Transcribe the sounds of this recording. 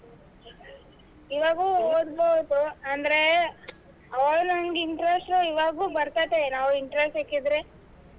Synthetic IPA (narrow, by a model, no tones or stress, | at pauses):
iʋaːɡuoːd̪bowd̪uɐnd̪ɾe | ɐʋɐɭunɐŋɡiɳʈɾesʈɾuiʋaːɡuːbɐɾt̪ad̪enaːʋuiɳʈɾesʈekːid̪ɾe